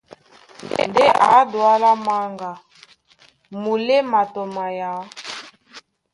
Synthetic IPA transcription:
ndɛ˦ʔa˨˦dwa˦la˦ma˦ŋɡa˨ | mu˨lɛ˦ma˨tɔ˨ma˨ja˨˦

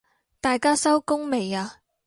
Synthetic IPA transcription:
t̪aː˨jkaː˥sɐ˥wkʊ˥ŋme˨jaː˧

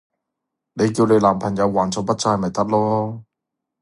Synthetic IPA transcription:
ne˨˧jkiː˧wne˨˧jlaː˨˩mpʰɐ˨˩ŋjɐ˨˧wːaː˨˩nt͡sɔː˧pɐ˥t̚t͡saː˧jmɐ˨˩jt̪ɐ˥k̚lɔː˥

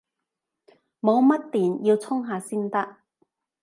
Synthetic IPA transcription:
mo˨˧wmɐ˥t̚t̪iː˨˩njiː˧wt͡sʰʊ˥ŋɦaː˨˧siː˥nt̪ɐ˥k̚

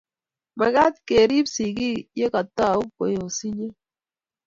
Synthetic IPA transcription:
ma˨ɡa˦t̪̚ke˨ɾi˦psi˨ɡi˦je˦ka˨t̪ɔ˦˨u˦ko˨jo˨si˦ɲe˦

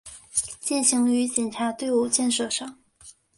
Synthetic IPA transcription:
t͡ɕi˥˩nɕi˧˥ŋy˧˥t͡ɕɛ˨˩nʈ͡ʂʰa˧˥t̪we˥˧ɪu˥˩t͡ɕjɛ˥˧nʂɤ˥˩ʂɑ˥˩ŋ

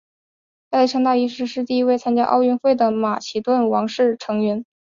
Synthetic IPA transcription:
ta˥˧li˥˩ʈ͡ʂʰɤ˥ŋt̪a˥˩i˥ʂɻ̩˥˧ʂɻ̩˥˧t̪i˥˩˧i˥we˥˩ɪt͡sʰa˥nt͡ɕja̰˥ʔɑ˥˧ʊy˥˧nxwe˥˩ɪd̪ə˩ma˨˩t͡ɕʰi˨˩t̪wə˥˩nwɑ˧˥ŋʂɻ̩˥˩ʈ͡ʂʰɤ˧˥ŋɥɛ˧˥n

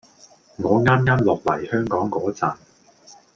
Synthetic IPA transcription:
ŋɔː˨˧ŋaː˥mŋaː˥mlɔː˨k̚lɐ̰˨˩jhœː˥ŋkɔː˨˥ŋkɔː˨˥t͡saː˨˩n

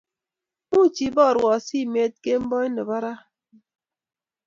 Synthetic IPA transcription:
mu˦˨t͡ʃi˨bɔ˦˨ɾɔ˨si˦˨me˦t̚ke˦m̩˦bɔ˦i˦nɨ˨ba˦ɾa˦

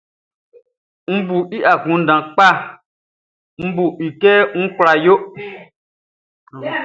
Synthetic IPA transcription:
m̩˦bu˨i˦ʔa˨ɡũ˨˦n̩˦dã˨k͡pa˦˨ | m̩˦bu˨ʔi˨kɛ˦ŋ̩˦kʷla˧˨jo˦

